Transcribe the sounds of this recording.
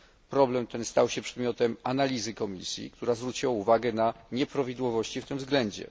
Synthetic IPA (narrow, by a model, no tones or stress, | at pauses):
pɾɔblɛmt̪ɛnst̪awɕɛpʂɛd̪mʲjɔt̪ɛmanalʲizɘkɔmʲḭsʲjḭkt̪uɾazvɾut͡ɕiwauvaɡɛnaɲɛpɾavʲid̪wɔvɔɕt͡ɕift̪ɘmvzɡlɛɲd͡ʑɛ̰